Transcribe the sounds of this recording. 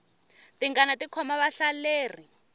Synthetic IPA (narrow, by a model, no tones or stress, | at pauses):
tiŋɡanatikʰɔmaβaɬaleːr̤i